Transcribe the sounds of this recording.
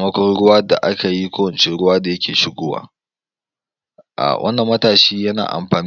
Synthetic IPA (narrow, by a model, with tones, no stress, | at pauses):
mɐ˦kʷɔ˦nɽʊ˦waː˦da̰˨ʔa˦kʰa˨ji˦kʷoː˦wɐ˨nt͡ʃe˦ɽʊ˦waː˦da˨jɐ˦kʲeː˨ʃɪ˦ɡʷoː˦wa̰ː˨ | ʔa̰˨wʔɐ̰˦nːɐ˨mːɐ˦taː˨ʃiː˦jɐ˦na̰ː˨ʔa̰˨mɸaː˨n˦